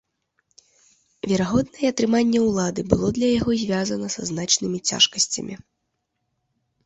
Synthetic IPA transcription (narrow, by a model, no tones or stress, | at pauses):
vʲɛɾaɣɔd̪nɐjɛɐt̪ɾɨmanʲːɛwlˠad̪ɨbɨlˠɔd̪lʲɐjaɣɔzʲvʲazɐnɐsɐznat͡ʂnɨmʲit͡sʲa̰ʂkɐsʲt͡sʲɐ̰mʲi